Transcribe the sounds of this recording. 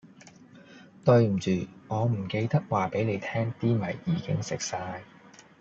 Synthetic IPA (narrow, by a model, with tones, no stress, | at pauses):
t̪ɵ˧ɥm̩˨˩t͡ʃyː˨˩ŋɔː˨˧m̩˨˩ke˧jt̪ɐ˥k̚waː˨pe˨˥jle˨˧jt̪ʰɛː˥ŋt̪iː˥mɐ˨˩jːiː˨˩kɪ˥ŋsɪ˨k̚saː˧j